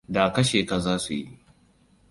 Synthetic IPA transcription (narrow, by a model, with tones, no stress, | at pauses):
da˨kɐ˦ʃeː˨ka˨zaː˦su˨ji˦ʔ